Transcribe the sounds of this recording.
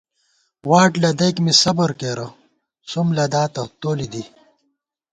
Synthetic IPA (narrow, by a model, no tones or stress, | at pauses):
waːʈlɐd̪ɐjkmisɐbɐɾkeːɾɐ | sumlɐd̪aːt̪ɐt̪oːlid̪i